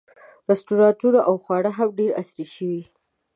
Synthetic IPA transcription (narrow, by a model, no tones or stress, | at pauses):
ɾastuɾɑtuɾaʔawxwɑɽaɦamɖeɾa̰sɾiʃəwi